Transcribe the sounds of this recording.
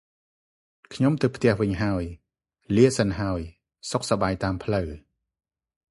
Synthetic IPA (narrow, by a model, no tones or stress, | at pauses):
kʰɲomt̪ɨwpʰt̪ɛ̆əhʋɨɲɦaəj | liəsanɦaəj | sok̚sɑɓaːjt̪aːmpʰləw